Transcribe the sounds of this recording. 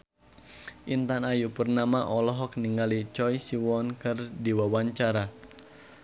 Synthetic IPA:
ʔint̪anajupərnamaʔɔlɔɦɔk̚niŋɡalit͡ʃɔjsiwɔnkɨrdiwawaɲt͡ʃaɾa

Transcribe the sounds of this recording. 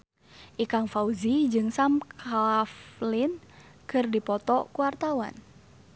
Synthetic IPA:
ʔikaŋfauzid͡ʒɨŋsamkʰaflɪn | kərdipɔt̪ɔkuwart̪awa̰n

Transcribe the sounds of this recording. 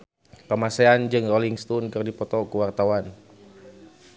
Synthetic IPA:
pəmasɛand͡ʒɨŋroliŋst̪ɔnkɨrdipɔt̪ɔkuwart̪awan

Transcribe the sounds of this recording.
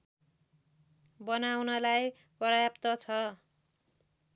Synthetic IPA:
bʌnawnʌlaj | pʌɾʌjapt̪ʌt͡sʰʌ

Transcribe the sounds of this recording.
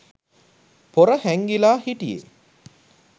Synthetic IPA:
poɾəhæŋɡilaːhiʈijḛ

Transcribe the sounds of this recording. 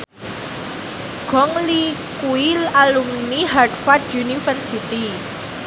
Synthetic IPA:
ɡ̥ɔŋlikuilalumniɦardfardjunifərsit̪i

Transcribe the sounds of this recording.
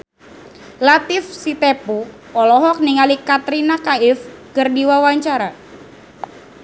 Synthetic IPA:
lat̪ɪfsit̪epu | ɔlɔɦɔk̚niŋalikat̪ɾinakaɪfkərdiwawaɲt͡ʃaɾa

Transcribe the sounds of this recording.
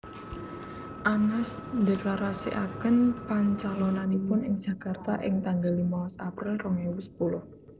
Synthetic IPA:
ʔanasd̪eklaɾasḭʔakənpaɲt͡ʃalɔnanipʊnɪ̰ŋ̥ʒ̥ä̤kart̪aʔɪ̰ŋt̪aŋɡalimɔlɔsapɾɪlrɔŋewʊspulʊh

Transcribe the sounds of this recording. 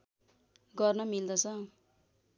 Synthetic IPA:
ɡʌrnʌmild̪ʌt͡sʰʌ

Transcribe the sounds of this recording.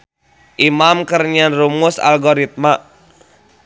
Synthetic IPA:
ʔimamkərɲanrumusa̰lɡoɾit̪̚ma

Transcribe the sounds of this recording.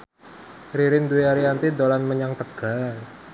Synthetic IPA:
ɾiɾɪnd̪uweaɾiant̪id̪olanməɲaŋt̪əɡ̥a̤l

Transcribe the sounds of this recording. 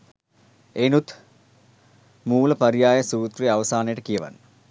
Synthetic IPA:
enut̪ʰ | muːlɐpɐrijaːjɐsuːt̪riɐʋɐsaːneʈɐkijɐʋɐ̰nː

